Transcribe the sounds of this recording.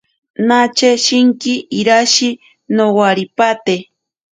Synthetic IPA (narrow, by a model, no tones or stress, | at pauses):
nat͡ʃeʃiŋkiːɾaʃi | nowaɾipat̪e